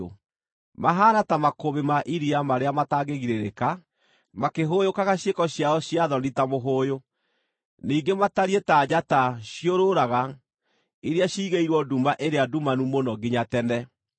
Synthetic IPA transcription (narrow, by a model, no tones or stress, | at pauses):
maɦaːnatamakoβemaʔiɾiamaɾeamataːɡeɣiɾeɾeka | makeɦoːjokaɣaɕjekɔɕjaɔɕiaðɔnditamoɦoːjo | niːɡemataɾietaːd͡ʑataɕjioɾoɾaɣa | iɾeaɕiːɣeiɾwɔdumaʔeɾeadumanumonɔɡiɲatɛnɛ